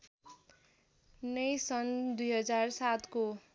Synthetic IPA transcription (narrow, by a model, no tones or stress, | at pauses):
nʌjsʌnd̪ujɦʌd͡zarsat̪ko